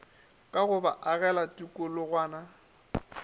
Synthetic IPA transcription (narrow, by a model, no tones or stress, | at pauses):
kʼaɣʊbaʔaɣɛlatʼukʼʊlʊɣwaːna